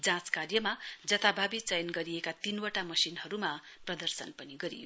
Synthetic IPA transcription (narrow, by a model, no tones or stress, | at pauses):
d͡zãt͡skarjʌmad͡zʌt̪ʰabʱabit͡sʌjʌnɡʌɾiekat̪inwaʈamʌsinhʌɾumaprʌd̪ʌrsʌ̰npʌniɡʌɾḭjo